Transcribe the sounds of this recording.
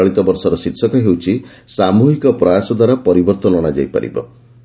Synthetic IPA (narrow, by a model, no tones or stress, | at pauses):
ɭit̪ɔbɔɾsɔɾɔsit̪sɔkɔɦewt͡ʃʰi | samuɦikɔpɾɔjasɔd̪waɾapɔɾibɔɾt̪ɔnɔɽ̃ad͡ʒa̰jpa̰ɾḭbɔ̰